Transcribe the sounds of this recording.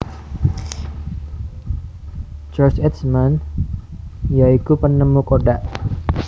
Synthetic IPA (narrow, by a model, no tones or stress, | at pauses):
t͡ʃɔrt͡ʃɛt̪sman | jaikupənəmukodaʔ